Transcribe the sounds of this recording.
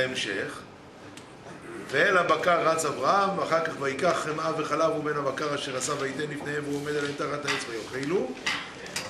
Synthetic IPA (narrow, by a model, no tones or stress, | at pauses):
emʃeχ | veelabakaʁːat͡savʁaamvaχaʁkaχvaikaχːemaveχalavube̞nhabakaʁaʃeʁat͡saveit̪enlifnehemveuome̞d̪alet̪aχat̪aet͡svajoχilu